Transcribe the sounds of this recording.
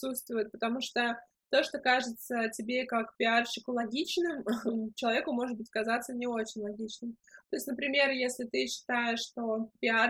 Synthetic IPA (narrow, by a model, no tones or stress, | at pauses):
sut̪st̪vʊjʊt̪̚pət̪ɐmuʂt̪o | t̪o̞ʂt̪o̞kaʐɨt̪sətʲɪbʲe̞kakpʲɪarɕɪkʊlˠɐɡʲit͡ɕnɨmt͡ɕɪlˠɐvʲekʊmo̞ʐɨt̪̚bɨtʲə̥kɐzat̪sənʲɪo̞t͡ɕɪnʲlˠɐɡʲit͡ɕnɨmt̪o̞jɪsʲtʲnəpɾʲɪmʲerjesʲlʲɪt̪ɨɕːɪ̥t̪ajɪʂːt̪o̞pʲɪar